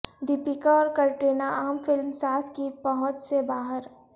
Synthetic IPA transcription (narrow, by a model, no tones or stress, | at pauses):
d̪ɪpɪkaɔːɾkɐɾʈeːnaaːmfɪlmsaːskipɐɦʊ̃t̪sebaːɦəɾ